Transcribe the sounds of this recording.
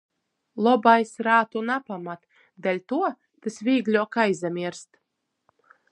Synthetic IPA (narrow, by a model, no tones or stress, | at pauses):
lˠɔbajsɾaːt̪unapamat̪ | d̪alʲt̪uɔ | t̪ɨsvʲiːɡlʲɔɔkajzamʲiɾst̪